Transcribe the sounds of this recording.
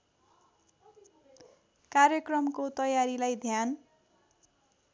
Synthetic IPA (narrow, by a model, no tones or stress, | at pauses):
karjʌkrʌmkot̪ʌjaɾilajd̪ʱjan